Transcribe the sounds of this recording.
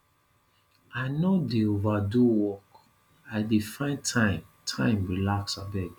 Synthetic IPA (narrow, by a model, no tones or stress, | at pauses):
aɪnodeovaduwɔk | aɪdefãɪ̃ntʰãɪ̃mtʰãɪ̃mɹilaksabɛɡ